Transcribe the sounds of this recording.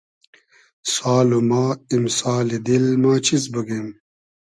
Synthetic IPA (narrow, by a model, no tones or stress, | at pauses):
saːlomaːimsaːlid̪ilmaːt͡ɕʰis̬buɡem